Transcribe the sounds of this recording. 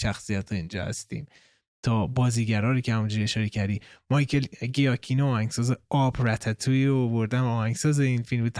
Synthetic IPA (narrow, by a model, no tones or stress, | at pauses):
ʃæxsijæt̪ʰːoind͡ʒɒ̰ːhæ̰st̪ḭːm | t̪ʰɒːbɒːziːɟæɾɒːɾiːkʰʲehæmund͡ʒuːɾieʃɒːɾecʰæɾd̪iːmɒjkʰelɡejɒkʰinoɒːhæŋɡ̥sɒːzeɒbɾæt̪ʰæt̪ʰuiɾoːvoɾd̪æmɒːhæŋsɒːzeinfilmbet̪ʰ